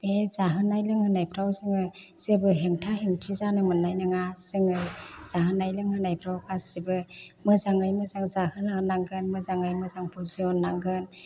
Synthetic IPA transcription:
bezaɦɯnːajlɯŋhɯnajpʰɾawzɯŋɯ | sebɯɦeŋtʰaɦeŋtʰizanɯmɯnːajnɯŋasɯŋɯz̥aɦɯnajlɯŋhɯnajpʰɾawkʰasibɯmɯzaŋajmɯzaŋzahɯnanːaŋɡɯnmɯzaŋɯjmɯzaŋpʰuziɔnːaŋɡɯn

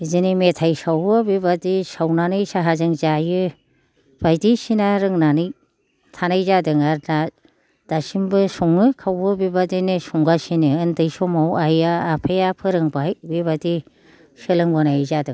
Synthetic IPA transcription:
izinimetʰajsawbɯbibadisawnanɯjsaɦazɯŋzajɯ | b̥ajdisinaɾɯŋnanɯj | tʰanajzadɯŋaɾda | d̥asimbɯsɔŋɯkʰawbɯbibadinisɔŋɡasiniɯndɯjsɔmawajaːpʰejapʰɯɾɯŋbajbiβadi | sɯlɯŋbɔnajzadɯŋ

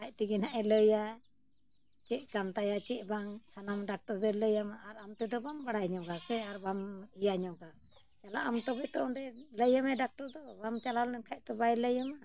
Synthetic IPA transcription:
kʰac̚t̪ɛɡinaʔɛləja | t͡ʃɛʔ̚kamt̪ajat͡ʃɛʔ̚ˀbaŋsanamɖak̚ʈɔɾd̪ɛləjamaʔːɾamt̪ɛd̪ɔbambaɽajɲɔɡasɛaɾbamijaɲɔɡa | t͡ʃala̰ʔamt̪ɔbɛt̪ɔʔɔnɾɛləjamɛɖak̚ʈɔɾd̪ɔbamt͡ʃalalɛnkʰac̚t̪ɔbajləjama

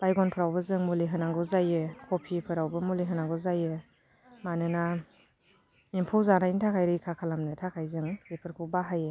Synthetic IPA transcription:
b̥ajɡɔnpʰɯɾawbɯzɯŋmuliɦɯnaŋɡɯzajɯkʰopʰipʰɯɾawbɯmuleɦɯnaŋɡɯzajɯ | manɯna | impʰuwzanaintʰakʰajɾɯikʰakʰalamnɯtʰakʰajzɯŋepʰɯɾkʰubaɦajɯ

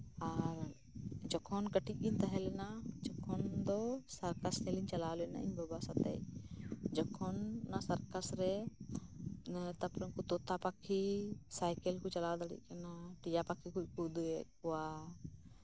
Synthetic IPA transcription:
aɾ | d͡ʒɔkʰɔnkəʈiʔ̚int̪ɐɦɛlɛnad͡ʒɔkʰɔnd̪ɔsɐɾkɐsneliɲt͡ʃɐlaːlɔna̰ʔḭɲbɔbasat̪ɛ̰j | d͡ʒɔkʰɔnːasɐɾkasɾɛ | t̪ɐpɾɔkut̪ɔt̪apakʰːisajkəlkɔt͡ʃɐlaːd̪ɐɽḭkɐnaʈid͡ʒapakʰikukud̪kɔwa

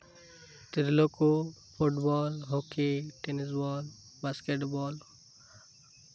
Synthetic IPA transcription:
t̪iɾilokopʰuʈbɔlɦokeʈenisbɔl | baskeʈbɔl

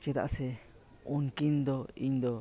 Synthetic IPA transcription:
t͡ʃit̪a̰ʔse | unkind̪oind̪o

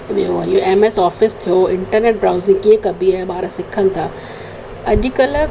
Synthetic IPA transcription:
meoɐioeːmeːsɔːfɪst̪ʰijoɪ̃ɳʈəɾneːʈ̚bɾaːʊzɪ̃ŋɡkiẽkɐbʱiaːeɓaːɾəsɪkʰənɪ̆t̪ʰaː | ɐʄ̆kɐlə

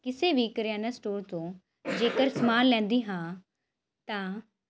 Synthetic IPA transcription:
kɪseʋʱikəɾaːnəsʈoːɾt̪õː | d͡ʑeːkəɾsmaːllɛ̃ːn̆d̪iɦãː | t̪ã

